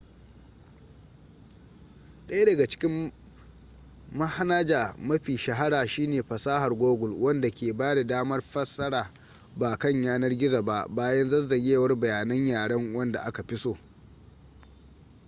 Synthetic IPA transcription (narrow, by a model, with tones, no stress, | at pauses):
ɗɐ˦ja˦dɐ˨ɡa˨t͡ʃɪ̥˦kʲɪ˦m | mɐ˦ha˦naː˦d͡ʒaː˨mɐ˦ɸiː˨ʃɐ˨ɦa˦ɽaː˨ʃiː˦neː˨ɸɐ˨saː˦ha˨rɡʷoː˦ɡʷʊ˨lwɐ˦nda˨kʲeː˨baː˦da˨daː˦mɐ˦rɸɐ˦sɐ˦ɽaː˨ | baː˨kɐ˦˨ɲjaː˦nɐ˦rɡʲɪ˦za˨ba˦˨ʔbaː˦jɐ˦nzɐ˦zɐ˨ɡʲeː˦wɐ˦rbɐ˨jaː˨nɐ˦ɲjaː˨ɽɐ˦ŋwɐ˦nda̰˨ʔa˦ka˨ɸɪ˦soː˦